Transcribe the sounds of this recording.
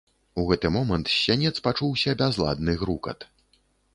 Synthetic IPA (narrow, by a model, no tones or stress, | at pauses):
uɣɛt̪ɨmɔmɐnt̪sʲːanʲɛt̪spat͡ʂuwsʲɐbʲazlˠa̰d̪nɨɣɾukɐ̰t̪